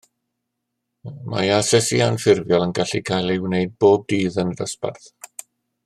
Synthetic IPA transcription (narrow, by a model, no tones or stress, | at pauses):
ma̰jasɛsianfɪrvjɔlˠənɡaɬikʰajlˠɪwneɨd̚boːb̚diːðənədəspa̰rθ